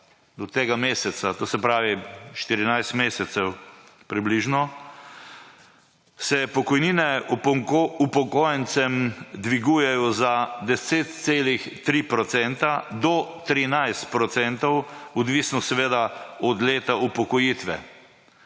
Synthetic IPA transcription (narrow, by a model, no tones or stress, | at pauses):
d̪ɔt̪eːɡameːsɛt̪sat̪oːsɛpɾaːʋiʃt̪iɾinajst̪meːsɛt̪sɛw | pɾibliʒnɔ | sɛpɔkɔjniːnɛ | upɔkoːjɛnsɛmd̪ʋiɡujɛjɔzad̪ɛseːt̪̚seːlixt̪ɾipɾɔt̪sɛnt̪ad̪ɔt̪ɾinajst̪̚pɾɔt̪sɛnt̪ɔwɔd̪ʋisnɔsɛʋeːd̪aɔd̪leːt̪aupɔkɔjit̪ʋɛ